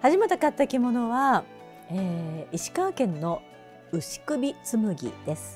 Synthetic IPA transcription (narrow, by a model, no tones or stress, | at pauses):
haʑimat̪akat̪ːakʲimo̞no̞βa | eːiɕi̥kãŋkẽ̞nːo̞ | ɯ̟ɕi̥kɯ̟bʲit͡sɨmɯ̟ɡʲḭd̪̥e̞sɨ̥